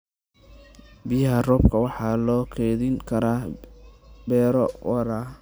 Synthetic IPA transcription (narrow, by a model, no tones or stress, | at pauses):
bɪjɐɦɐrɔːbkʰɐwɑħɑːlɔːkʰɛːðɪŋkʰɐɾaː | bɛːɾɔwɑɾaː